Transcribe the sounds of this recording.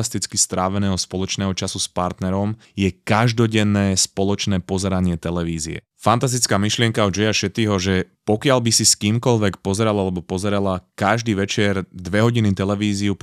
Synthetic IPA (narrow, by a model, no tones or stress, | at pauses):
ast̪it͡skist̪ɾaːʋɛnɛːɦɔspɔlɔt͡ʃnɛːɦɔt͡ʃasuspaɾt̪nɛɾɔm | jɛkaʒd̪ɔɟɛnːɛːspɔlɔt͡ʃnɛːpɔzɛɾaɲɪɛt̪ɛlɛʋiːziɛ̰ | fant̪as̬t̪it͡skaːmiʃlɪɛŋkaɔd͡ʒɛjaʃɛt̪iːɦɔʒɛpɔkɪaʎbisiskiːmkɔʎʋɛkpɔzɛɾalalɛbɔpɔzɛɾɛlakaʒd̪iːʋɛt͡ʃɪɛɾd̪ʋɛɦɔɟinit̪ɛlɛʋiːziup